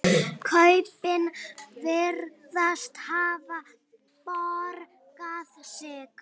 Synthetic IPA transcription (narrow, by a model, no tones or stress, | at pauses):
kʰœɥpɪnvɪɾ | ðast̪haːva | pɔɾ | kaðsɛːk